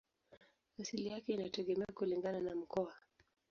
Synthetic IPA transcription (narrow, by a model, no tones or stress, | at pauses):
asilijakɛinatɛɠɛmɛakuliŋɡananam̩kɔa